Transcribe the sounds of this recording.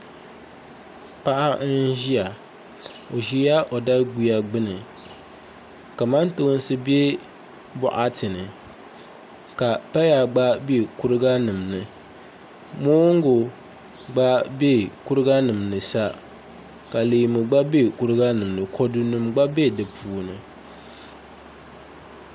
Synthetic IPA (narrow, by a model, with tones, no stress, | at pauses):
pa˦ʔa˦n̩˦ʒi˦a˨ | o˨ʒi˦ja˦ʔo˨da˦ɡi˦a˦ɡ͡bɨ˦nɨ˨ | ka˨ma˦nto˦n˦sɨ˦bi˦e˦ | bʊ̰˨ʔa˦tʰɨ˨nɨ˨ | ka˨pa˦ja˨ɡ͡ba˦be˦˨ku˦ɾɨ˦ɡa˦nɨ˨mnɨ˨ | moː˦ŋ˦ɡʊ˨ | ɡ͡ba˦be˦˨ku˦ɾɨ˦ɡa˦nɨ˨mnɨ˨sa˦ | ka˨liː˨mɨ˨ɡ͡ba˦be˦˨ku˦ɾɨ˦ɡa˦nɨ˨mnɨ˨kʰo˨du˨nɨ˨mɡ͡ba˦be˦˨dɨ˨pʰuː˨nɨ˨